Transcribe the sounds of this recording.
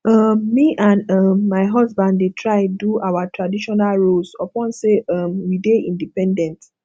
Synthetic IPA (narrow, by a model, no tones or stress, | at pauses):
ɔmːiʔãnɔmːaɪɦɔzbãndːetʰɹaɪduawatɹadiʃɔnalɹolsɔpɔ̃nseɔmwideĩndipɛ̃ndɛ̃nt